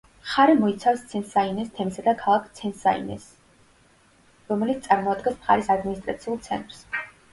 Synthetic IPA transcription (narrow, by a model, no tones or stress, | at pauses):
χaɾɛmɔit̪sʰafst̪sʰɛnsainɛst̪ʰɛmisad̪akʰalˠakʰt̪sʰɛnsa̰ḭnɛ̰s | ɾɔmɛlit̪t̪ʼaɾmɔad̪ɡɛsmχa̰ɾɛsad̪minist̪ʼɾa̰t̪sʰiulˠt̪sʰɛ̰nt̪ʼɾs